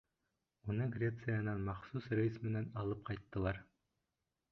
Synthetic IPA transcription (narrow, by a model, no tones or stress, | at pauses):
unɤɡrʲet̪sɨjanɑnmɑχsusrjismɘ̆nænɑlˠɤp̚qɑjt̪ːɤ̆lˠɑɾ